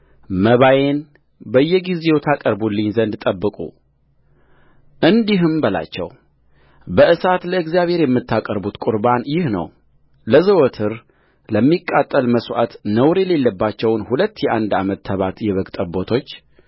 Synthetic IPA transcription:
məβaje̞n | bəjːɛɡizejt̪ʰakʼəɾbulːɨɲzənd̪t̪ʼəbːɨkʼṵ | ʔɨnd̪iɦɨmbəla̰t͡ʃːɛ̰w | bəʔɨsat̪ləɨɡzjaβhe̞ɾjɛmːɨt̪ːakʼəɾbut̪kʼuɾbanjɪhnə̰w | ləzəwɔt̪ʰɨɾ | ləmːikʼːat̪ʼːəlməswa̰t̪nəwɾele̞lːəbːat͡ʃːɛwnhulət̪ːjɛʔand̪amət̪ʰːəβat̪jɛβəɡt̪ʼəbo̞t̪ʰo̞t͡ʃː

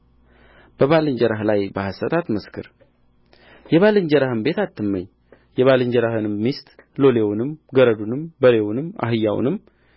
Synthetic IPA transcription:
b̥əβalɨɲd͡ʒəɾaɦlajbahasət̪ʰat̪məskʰɨ̰ɾ | jɛβalɨɲd͡ʒɛɾahɨmbe̞t̪at̪ʰːɨmːəɲː | jɛβalɨɲd͡ʒɛɾahɨnɨmːist̪lo̞lewnɨmɡəɾəd̪unɨmbəɾewunɨma̰ɦɨjːaw̰nɨm

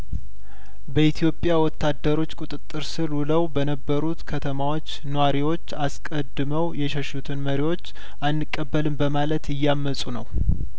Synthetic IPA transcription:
bəit̪ʰijo̞pʼjawɔt̪ːad̪ːəɾo̞t͡ʃːkʼut̪ʼɨt̪ʼːɨɾsɨluləwbənəbːəɾut̪kʰət̪ʰəmawo̞t͡ʃːnowaɾiwo̞t͡ʃːaskʼəd̪ːɨməwjɛʃɛʃut̪ʰɨnməɾiwo̞t͡ʃː | ʔanːɨkʼːəbːəlɨmbəmalət̪ʰɪjːamːəsʼunəw

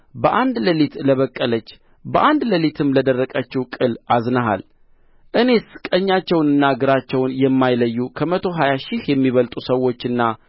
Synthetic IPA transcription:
bəʔand̪ləlit̪ləβəkʼːələt͡ʃː | bəʔand̪ləlit̪ʰɨmːləd̪ərːəkʼət͡ʃːiwkʼɨlʔaznəɦa̰l | ʔɨne̞sɨ̥kʼəɲːat͡ʃːɛwnɨnːaɡɨɾat͡ʃːɛwnjɛmːajləjːukʰəmət̪ʰo̞ɦajaʃɪhjɛmːiβəlt̪ʼusəwːo̞t͡ʃːɨnːa

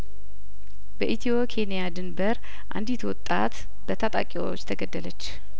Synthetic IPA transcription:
bəʔit̪ʰiwokʰe̞nijad̪ɨnbəɾ | ʔa̰nd̪it̪ʰwɔt̪ʼːa̰t̪ | bət̪ʰat̪ʼa̰kʼiwo̰t͡ʃːt̪ʰəɡəd̪ːələt͡ʃː

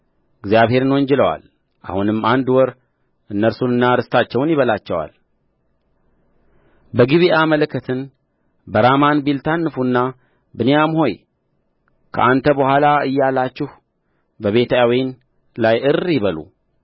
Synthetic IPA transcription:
ɨɡzjaβhe̞ɾɨnwɔnd͡ʒɛləwa̰l | ʔa̰hunɨmːand̪wɔɾ | ʔɨnːəɾsunɨnːaɾɨst̪ʰat͡ʃːɛwnjɪβəlat͡ʃːɛwa̰l | bəɡiβiʔamələkːət̪ʰɨn | bəɾamanbilt̪ʰanːɨfunːa | bɨnejamho̞j | kʰə̰ʔant̪ʰəbəhʷalaɨ̰jːalːat͡ʃːɪhu | bəβe̞t̪ʰawin | lajɨɾjɪβəlṵ

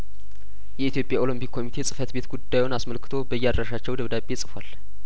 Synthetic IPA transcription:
jɛit̪jo̞pʼjao̞ləmpikʰːo̞mit̪ʰe̞sʼɨfət̪be̞t̪ɡud̪ːajwunasməlkʰɨ̥t̪ʰo̞bəjːad̪ɾəʃat͡ʃːɛwd̪əβd̪abːe̞sʼɨfal

